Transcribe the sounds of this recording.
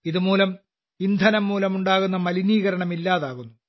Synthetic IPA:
iðumuːlɐm | ind̪ʱɐnɐmːuːlɐmuɳɖaːɣunːɐmɐliniːɣɐɾɐɳɐmilːaːðaːɣunːu

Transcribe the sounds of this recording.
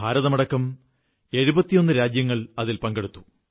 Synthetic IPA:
aːɾɐðɐmɐɽɐkːɐm | e̞ɻubɐt̪ːijo̞nːɨɾaːd͡ʑjɐŋːɐɭɐðilpɐŋɡeɽut̪ːu̥

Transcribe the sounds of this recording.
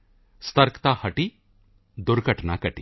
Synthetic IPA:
st̪əɾkt̪ahɐʈi | d̪ʊɾɡʱəʈna̰kəʈḭ

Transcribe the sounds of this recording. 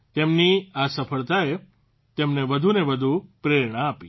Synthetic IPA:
t̪emniasəfəɭt̪ae | t̪emnebəd̪ʱunebəd̪ʱupɾeɾɳ̃aːpi

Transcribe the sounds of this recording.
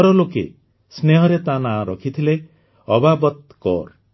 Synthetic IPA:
ɔɾɔlokḛ | sneɦɔɾet̪anaɾɔkʰit̪ʰile | ɔbabɔt̪̚ | kɔ̰ɾ

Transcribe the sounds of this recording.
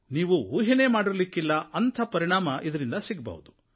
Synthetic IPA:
niːʋuuːɦine̞ːmaːɽiɾlikːilːɐɐnt̪ʰɐpɐɾiɳaːmɐʔid̪ɐɾind̪ɐsiɡbɐ̰ʋud̪u̥

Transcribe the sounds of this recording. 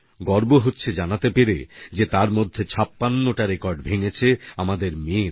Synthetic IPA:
ɡɔɾboɦotːɕʰed͡ʑanat̪epeɾḛd͡ʑet̪aɾmod̪ʱːet͡ɕʰapːanːoʈaɾekɔɾɖbʱeŋet͡ɕʰeamad̪eɾmeɾ

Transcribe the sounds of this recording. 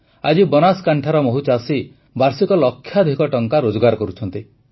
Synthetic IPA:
ad͡ʒibɔnaskaɳʈʰaɾɔmoɦut͡ʃasi | baɾsikɔlɔkʰːjad̪ʱikɔʈɔŋkaɾod͡ʒɔɡaɾɔkɔɾut͡ʃʰɔnt̪i

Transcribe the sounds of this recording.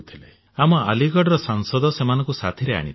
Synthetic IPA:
t̪ʰile | amɔaliɡɔɽɾɔsaŋsɔd̪ɔsemanɔ̃ŋkusat̪ʰiɾea̰ɽ̃ḭ

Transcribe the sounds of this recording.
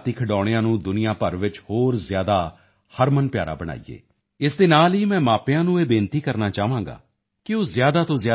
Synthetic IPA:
t̪iːkʰəɖɔːɽejãːnũːd̪ʊnɪjaːpəɾʋɪt͡ʃhoːɾzɪjaːd̪aː | həɾmənpjaːɾa̰ːbəɽ̃a̰ːḭjḛː | ɪsd̪eːnaːliːmɛ̃ːmaːpjãːnũːeːbẽːnt̪iːkəɾnaːt͡ʃaːʋãːŋɡa̰ː | kɪoːzjaːd̪aːt̪õːzjaː

